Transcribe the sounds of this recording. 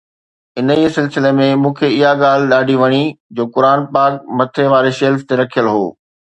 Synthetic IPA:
ɪnəiːsɪlsɪlemẽmũːkʰeɪɦaɠaːl̤ɪɗaːɖʱiʋɐɽ̃id͡ʑoːkʊɾaːnpaːkmɐt̪ʰeʋaːɾeʃeːlft̪eɾɐkʰijəlɦoː

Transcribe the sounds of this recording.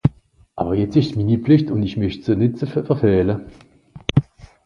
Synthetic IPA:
ʔa̰ːbɐjɛt͡sɪʃtminipflɪçtʊnɪçmœçtsonɪtt͡səffɛfɛːlə

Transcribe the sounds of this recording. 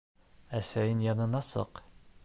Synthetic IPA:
æsæjɘnjɑnɤ̆nɑsɤ̰q

